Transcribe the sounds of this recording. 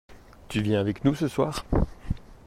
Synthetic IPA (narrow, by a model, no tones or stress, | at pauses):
t̪yvjɛ̃avɛknusəswaːʁ